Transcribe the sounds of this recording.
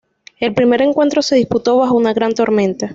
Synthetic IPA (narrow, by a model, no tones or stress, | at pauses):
e̞lpɾime̞ɾe̞ŋkwe̞nt̪ɾo̞se̞ðisput̪o̞βaxounaɣɾant̪o̞ɾmẽ̞nt̪a